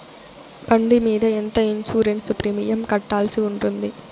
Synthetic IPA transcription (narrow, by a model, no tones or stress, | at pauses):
bɐɳɖimiːðɐɛnd̪ɐɪnsuːɾensʊpɾɪmɪjɐmkɐʈːaːlsɯʊndrɯnd̪i